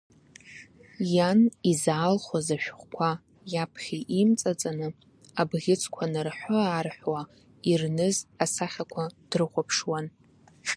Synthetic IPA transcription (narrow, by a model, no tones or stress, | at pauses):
janizaːlχazaʃᶣχʷkʷʰa | japʰχʲiʔimt͡sʼat͡sʼanɨ | abʁʲɪt͡sʰʼkʷʰanɨrħʷʊaːrħwa | irnɨzasaχʲakʷʰad̥rɨχʷapʰʂwan